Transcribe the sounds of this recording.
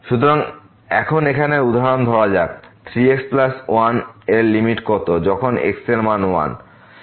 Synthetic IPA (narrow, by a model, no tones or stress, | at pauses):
ʃut̪oɾaŋ | ɛkʰonekʰaneud̪ʱaɦaɾond̪ʱɔɽad͡ʑat̪ʰɾieksplasanelːimiʈkot̪od͡ʑɔkʰonḛkseɾmanwa̰n